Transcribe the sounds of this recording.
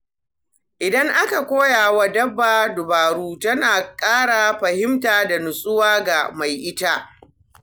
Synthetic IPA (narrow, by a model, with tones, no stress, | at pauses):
ʔɪ˨dɐ˦ŋʔa˦ka˨kʷoː˦jaː˨wa˦dɐ˦bːaː˨dʊ˨baː˨ɽuː˦tɐ˦naː˨kʼaː˦ɽa˨ɸɐ˨hɪ˦mtaː˨da˨nʊ˨sʼʊ˦waː˦ɡa˨ma˨jʔɪ˦ta˦